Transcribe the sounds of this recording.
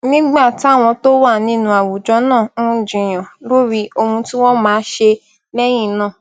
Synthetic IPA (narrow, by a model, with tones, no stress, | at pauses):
nĩ˦ɡ͡ba˦˨ti˦a˦˨w̃ɔ̃˧to˦wa˦˨nĩ˦nũ˧˦a˨wu˨d͡ʒɔ˨˧˦nãː˦˨ũ˦d͡ʒĩ˧˨j̃ã˨lo˦ɾi˧˦o˧hũ˧tĩ˦wɔ̃˦mãː˨˦ʃe˧ | lɛ˦j̃ĩ˦˨nãː˦˨